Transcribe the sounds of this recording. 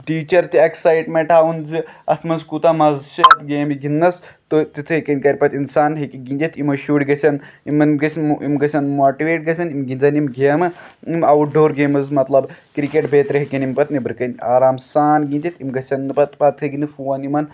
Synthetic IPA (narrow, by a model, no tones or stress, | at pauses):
ʈiːt͡ʃɐɾt̪ieksajʈmeɳʈaːunzɨɐt̪ʰmɐnzkut̪amɐzʃɐt̪ɡeːmiɡʲinːɐst̪ot̪it̪ʰɨekɐnʲkɐɾʲpɐt̪insaːnɦekiɡʲinʲd̪ʲit̪ʰimɐʃuːɽʲiɡɐsʲɐnimɐnmɡɐsʲɐimɡɐsʲɐnmoːʈiʋeːʈ̚ɡɐsʲɐnimɡʲinzɐnimɡʲeːmɨimɐwuɖoːɾɡeːmɐzmɐt̪lɐbkɾikeʈbʱeːt̪ɾɨɦekʲɐnimpɐt̪nibɨɾɨkɐnʲa̰ːɾaːmsaːnɡind̪ʲit̪imɡɐsʲɐnːɨpɐt̪pɐt̪ʰɨɡinɨfuwɐnimɐn